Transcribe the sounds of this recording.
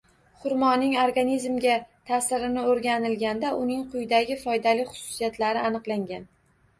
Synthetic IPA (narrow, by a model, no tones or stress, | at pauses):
χʊɾmɒnːɪŋoɾɡanizmɡʲat̪ʰasɪɾɪnɪoɾɡʲanɪlɡʲand̪aʔʊnɪŋqʰʊjd̪aɡʲɪfɒjd̪alɪχʊ̥sʊ̥sijat̪laɾɪanɨqlˠaŋɡʲan